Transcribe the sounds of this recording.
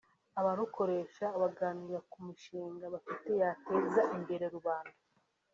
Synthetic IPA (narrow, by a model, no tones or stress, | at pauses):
aβaɾuko̞ɾe̞ʃaːβaɡaːniɾakumiʃiːŋɡaβafite̞jate̞zaʔimbe̞ɾe̞ɾuβaːnda